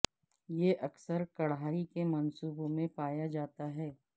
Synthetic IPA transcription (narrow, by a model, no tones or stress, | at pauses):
jeːʔɐksəɾkɐɽɦaːikemɐnsuːbõmẽpaːjad͡ʒaːt̪aɦɛː